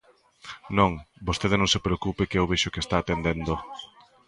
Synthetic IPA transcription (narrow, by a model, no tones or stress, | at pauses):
nõŋbost̪eð̞ɪnõŋsepɾeokupɪkeewβeʃokest̪aːt̪end̪end̪o